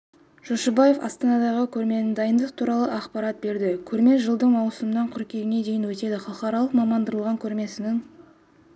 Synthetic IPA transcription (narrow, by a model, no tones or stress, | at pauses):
ʒ̥oʃɑbɑje̞fɑ̰st̪ɑnɑd̪ɑʁəkʲʰɵɾme̞nɪnd̪ɑjənd̪əqt̪ʰuɾɑlˠəʔɑqpɑɾɑt̪̚be̞ɾd̪ɪkʲʰɵɾme̞ʒəlˠd̪əɴmɑwsəmənɑɴqʰʏɾkʲe̞ɡʲɪne̞d̪e̞jɪnwɵt̪e̞d̪ɪχɑlˠəqɑɾɑlˠəqmɑmɑnd̪əɾəlˠʁɑŋkʲʰɵɾme̞sɪnɪŋ